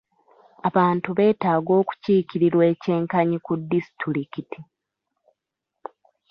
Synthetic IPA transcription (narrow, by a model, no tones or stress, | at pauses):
aβaːntuβe̞ːtaːɡo̞ːku̥ciːkiɾiɾwe̞ːce̞ːŋkaɲikudːisi̥tuɾikiti